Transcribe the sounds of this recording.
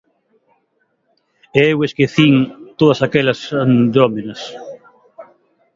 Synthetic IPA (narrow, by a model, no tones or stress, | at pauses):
eweskeθiŋt̪oðɐsakɛlɐsand̪ɾomenɐs